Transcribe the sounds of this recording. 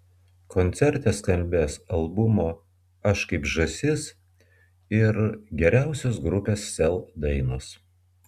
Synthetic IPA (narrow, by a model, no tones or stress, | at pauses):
kɔnʲt̪sʲɛɾʲt̪ʲeːskɐlʲˑbʲeːsɐlˠbʊmoː | ɐʃkɐɪpʒɐsʲɪs | ɪɾɡʲɛɾʲæˑʊsʲosɡɾʊpʲeːsːʲɛlˠd̪ɐɪnʊs